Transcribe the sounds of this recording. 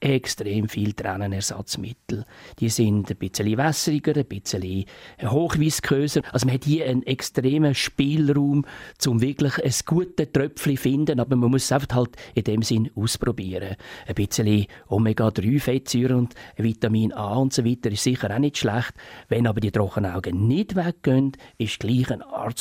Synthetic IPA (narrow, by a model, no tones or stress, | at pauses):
ʔɛkstɾeːmfiːltɾa̰nənɛɾsɑ̰t͡smɪ̰tl̩d̥iəsɪndəb̥ɪt͡səlivasəɾiɡ̥əɾəb̥ɪt͡səlihoːχʋiːskʰʁøːsəɑlsoməhɛthiəʔənɛkstɾeːməʃpɪːlɾuːmt͡sʊmvɪklɪχəsɡ̥uətətrœpflifɪndənɑbəməmʊəssaɪfəχthɑltɪd̥ɛmsɪnuːsprɔbiːəɾəəb̥ɪt͡səliʊmɛɡ̥ɑd̥ryːfɛtsyːɾəʊnd̥əvitɑmiːnɑːʊntsovitəɾɪʃsɪχəɾanɪtʃlaχtvɛnɑbəɾdiədɾɔχːənaʊɡənɪd̥vɛk̚ɡ̥œndɪʃɡ̥liːχənɑ̰ːɾ